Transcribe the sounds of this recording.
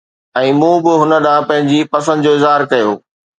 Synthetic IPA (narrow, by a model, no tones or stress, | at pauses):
ɛ̃ːmũːbɪɦʊnə̆ɗãːpɐ̃ɦɪ̃ɲd͡ʑipɐs̬ə̃nd̪d͡ʑoːɪzɦaːɾkɐjo̰ː